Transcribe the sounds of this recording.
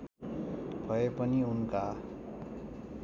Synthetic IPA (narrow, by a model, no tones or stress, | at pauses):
b̥ʱʌepʌniunka